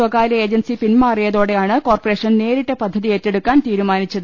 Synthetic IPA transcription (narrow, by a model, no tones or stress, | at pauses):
ʋɐkaːlɐe̞ːd͡ʑɐnsipinmaːrijɐðo̞ːɽe̞jaːɳɨko̞ːrpɐre̞ːʂɐnne̞ːɾiʈːepɐd̪ʱːɐðietːeɽukːaːnt̪iːɾumaːnit͡ɕːɐðɨ